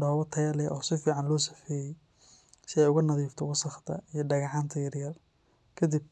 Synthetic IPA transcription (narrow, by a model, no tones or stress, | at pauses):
ɖɔːwɐt̪ʰɐjɐlɛʔɔːsɪfiːʕɑnlɔːsɐfɛːjɛj | sɪɛjʊɣɐnɐðiːft̪ʰɐɣʊsɐχt̪ʰɐ̰ijɞɖɐɣɐʕaːnt̪ʰɐjɐɾjɐl | kʰɐd̪ib̚